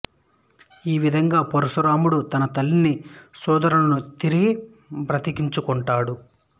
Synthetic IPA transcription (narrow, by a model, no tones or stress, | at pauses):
iːʋid̪ʱɐŋɡaːpoɾɐsuɾaːmuɽut̪ɐnɐt̪ɐlːinisɔːd̪ɐɾɐnɐnut̪iɾiɡi | pɾɐt̪ikiɲt͡ʃukɔɳʈaːɽu